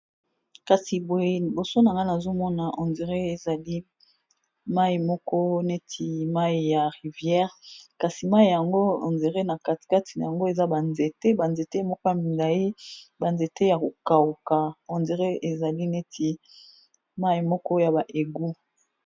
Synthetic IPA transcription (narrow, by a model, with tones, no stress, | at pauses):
ka˨si˨bo˨e˨bo˨so˦na˨ŋɡa˦na˨zo˦mɔ˦na˨ʔo˨nze˨ʁe˦e˨za˨li˦ | ma˦i˨mɔ˦kɔ˦ne˦tʰi˨ma˦i˨ja˨ʁi˨vjɛ˦ʁka˨si˨ma˦i˨ja˨ŋɡo˦o̰˨nze˨ʁe˦na˨ka˨tka˦tʰi˨na˨ja˨ŋɡo˦e˨za˦ba˨nze˨te˦ba˨nze˨te˦mɔ˦ka˦mi˨nda˨i˦ba˨nze˨te˦ja˨ko˨ka˨u˨ka˨o˨nze˨ʁe˦e˨za˨li˦ne˦tʰi˨ | ma˦i˨mɔ˦kɔ˦ja˨ba˨ʔe˨ɡu˦